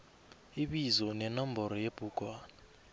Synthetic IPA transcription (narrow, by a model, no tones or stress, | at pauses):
iɓizɔnɛnambɔɾɔjeb̥ʱukʼwaːna